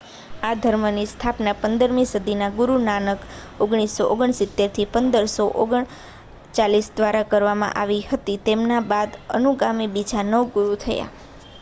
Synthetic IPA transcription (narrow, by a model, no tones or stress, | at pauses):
ad̪ʱəɾmənist̪ʰapnapənd̪əɾmĩsud̪ʱinaɡuɾunanək | oɡɳ̃isːoʔoɡəɳsɪt̪ːeɾt̪ʰipənd̪əɾsoʔoɡəɳ | t͡ʃalisd̪ʋaɾakəɾʋamã̰ʔaʋihət̪it̪emnabad̪ənuɡamibid͡ʒanəʋɡuɾut̪ʰəja̰